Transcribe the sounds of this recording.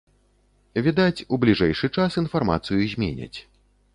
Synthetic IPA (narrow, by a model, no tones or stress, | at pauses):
vʲid̪at͡sʲublʲiʐɛjʂɨt͡ʂasinfarma̰t̪sɨjuzʲmʲḛnʲɐ̰t͡sʲ